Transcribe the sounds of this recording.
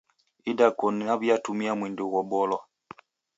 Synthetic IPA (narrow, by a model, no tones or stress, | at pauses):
idakɔnaβjatumiamwindɛɣɔbɔlwa